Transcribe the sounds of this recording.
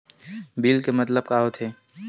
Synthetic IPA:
biːlkemɐt̪ləb̚kaːɦot̪ʰeː

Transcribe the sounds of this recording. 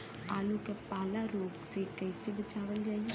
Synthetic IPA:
aːlukepaːlaɾoːɡsekɛɪsebɐt͡ʃaːʋəld͡ʒaːi

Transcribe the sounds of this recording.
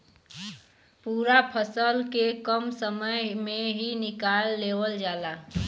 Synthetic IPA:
puːɾapʰəsəlkekəmsəməjmẽɦinɪkaːlːeːwəld͡ʒaːlaː

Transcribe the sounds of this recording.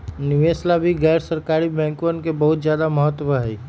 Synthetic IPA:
nɪʋeːslabʱiɡɛːɾsəɾkaːɾibɛ̃ːŋkʋənkebɐɦʊt̪zjaːd̪amɐɦət̪ːpəɦɛ

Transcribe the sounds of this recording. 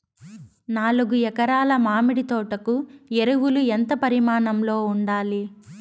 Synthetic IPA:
naːluɡujɛkɐɾaːlɐmaːmiɽit̪ɔːʈɐkueɾuwuluent̪ɐpɐɾimaːɳɐmlo̞ːuɳɖaːli

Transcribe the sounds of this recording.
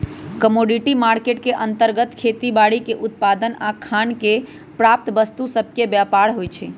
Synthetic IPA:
kəmoɖiʈimaɾkeʈkeʔənt̪əɾɡət̪kʰet̪ibaɽikeʔut̪̚pad̪ənakʰanke | pɾap̚t̪əbəst̪usəb̚ʱkebjapaɽɦojt͡ʃʰɛ

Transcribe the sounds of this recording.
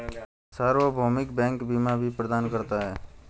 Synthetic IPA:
saːɾʋobʱoːmɪkbɛ̃ːŋkbiːmabʱipɾəd̪aːnkəɾt̪aɦɛː

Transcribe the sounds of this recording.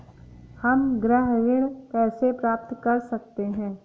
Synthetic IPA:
hɐmɡɾəɦʋɪɽ̃kɛːsepɾaːp̚t̪kɐɾsɐk̚t̪eɦɛ̃ː

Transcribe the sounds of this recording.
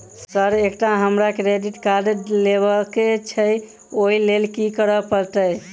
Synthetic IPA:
səɾekʈaɦəmɾakɾeɖiʈkaɾɖlebəket͡ʃʰə | oilelkikəɾəpəɾt̪əj

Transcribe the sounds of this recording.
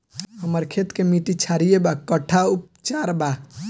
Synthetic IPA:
ɦəməɾkʰet̪kemiʈit͡ʃʰaɾijebakəʈʰaup̚ | t͡ʃaɾba

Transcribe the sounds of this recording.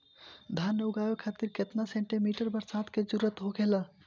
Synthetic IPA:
d̪ʱanːeuɡajokʰat̪iɾket̪naseɳʈimiʈəɾbəɾsat̪ked͡ʒuɾət̪ɦokelə

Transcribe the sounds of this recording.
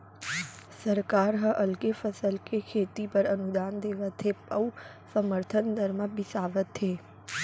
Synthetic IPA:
səɾkaːɾɦə̃ʔɐlkefʰəsəlkekʰeːt̪ipɐɾɐnud̪aːnd̪eːʋət̪ʰːeə | səməɾt̪ʰənd̪ʱɐɾməbɪsaːʋət̪ʰːeː

